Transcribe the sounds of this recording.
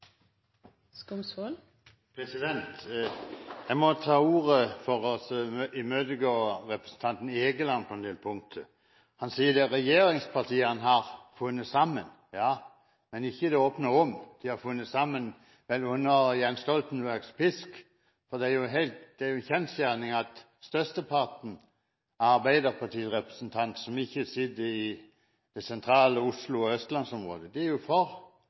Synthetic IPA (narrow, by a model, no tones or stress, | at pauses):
skʊmsol | pʰʁɛsɪd̪ɛnt̪ | jæmɔt̪ʰɑːuːʁəfɔʁɔsɔɪmøːd̪əɡoːɾɛpɾə̥sən̩t̪ʰɑnt̪n̩ɪeɡəlɑnpʰɔɛnd̪eːlpʰʊŋt̪ʰə | hɑnsiːəd̪ɛɾɛjeːɾɪŋspʰɑt̪ʰiːəɑnɦɑʁfʉnːəsɑmːən | jɑː | mɛnɪçːəd̪ɛoːpnəʁɔmd̪̥ɪhɑʁfʉnːəsɑmːən | ʋɛlʉnːəjɛnst̪ɔlt̪n̩bæʁɡspɪsk | fɔd̪ɛæjʊɦɛɪlt̪d̪̥ɛæɾjʊnçɛnsjæʁnɪŋɑt̪ | st̪œst̪əpʰɑt̪n̩ | ɑʁbæɪd̪əʁpʰɑt̪ʰiːʁɛpʁə̥snt̪ʰɑnt̪sɔmɪçːəsɪd̪əɪ | d̪̥ɛsɛnt̪ʰʁɑːləʊslʊɔœst̪lɑnsɔmʁo̰ːd̪əd̪ɛæɾjʊfɔʁ